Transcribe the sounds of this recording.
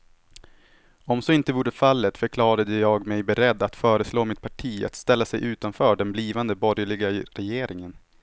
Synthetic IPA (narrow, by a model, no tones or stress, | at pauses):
ɔmsɔɪnt̪əvuːɖəfalːət̪fœɾkʰlɑːɾad̪əjɑːɡmɛjbɛɾɛd̪ːat̪fœːɾəsloːmɪt̪̚pʰaʈʰiːa̰t̪st̪ɛlːasɛjʔʉ̟ːt̪anfœːɖɛnbliːvand̪əbɔɾjəɭɪɡaɾɛjeːɾɪŋən